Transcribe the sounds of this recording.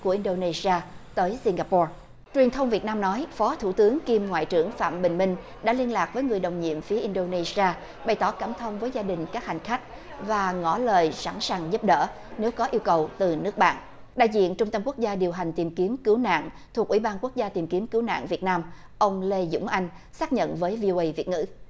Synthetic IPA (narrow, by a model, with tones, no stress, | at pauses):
ku˧˩əʔi˧nɗo˧ne˧si˧aː˧t̪əː˨˦jsi˧ŋɡaː˧pɔ˧ | t͡ɕwi˨˩ənt̪ʰə˧wŋ͡mvi˨˩ət̚naː˧mnɔ˨˦jfɔ˨˦t̪ʰu˧˩t̪ɨ˨˦əŋki˧mŋwa̰ː˧˨jt͡ɕɨ̰˧˩əŋfa̰ː˧˨mɓï˨˩ŋ̟mï˧ŋ̟ | ɗa̰ː˧˥li˧ənlaː˨˩k̚vəː˨˦jŋɨ˨˩əjɗə˨˩wŋ͡mɲḭ˧˨əmfi˨˦əʔi˧nɗo˧ne˧si˧aː˧ | ɓa˨˩jt̪ɔ˧˩kaː˧˩mt̪ʰə˧wŋ͡mvəː˨˦jzaː˧ɗï˨˩ŋ̟kaː˦˥k̚ha˨˩ŋ̟xa˦˥jk̟̚ | vaː˨˩ŋɔ˧˩ləː˨˩jsa̰˧˩nsaː˨˩ŋzə˦˥p̚ɗə̰ː˧˥ | ne˨˦wkɔ˨˦ʔi˧əwkə˨˩wt̪ɨ˨˩nɨ˦˥ək̚ɓa̰ː˧˨n | ɗa̰ː˧˨jzḭ˧˨ənt͡ɕʊ˧ŋ͡mt̪ə˧mku˦˥ək̚zaː˧ɗi˨˩əwɦa˨˩jŋ̟t̪i˨˩mki˨˦əmkɨ˨˦wna̰ː˧˨ŋt̪ʰu˨˩k̚wi˧˩ɓaː˧nku˦˥ək̚zaː˧t̪i˨˩mki˨˦əmkɨ˨˦wna̰ː˧˨ŋvi˨˩ət̚naː˧m | ʔə˧wŋ͡mle˧zʊ̰˧˥ŋ͡mʔa˧jŋ̟saː˦˥k̚ɲə̰˧˨nvəː˨˦jvi˧o˧ʔə˧jvi˨˩ət̚ŋɨ̰˧˥